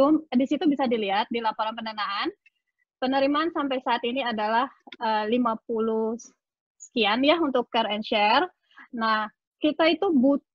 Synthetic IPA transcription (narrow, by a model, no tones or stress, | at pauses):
umdisit̪ubisadiliɦat̪̚dilapoɾanpəndanaan | pənəɾimansampajsaːt̪iniadalahəlimap̚ulu | sə̥kianjaunt̪ʊkːɛɾɛnʃɛr | nah | kit̪ait̪ubut̪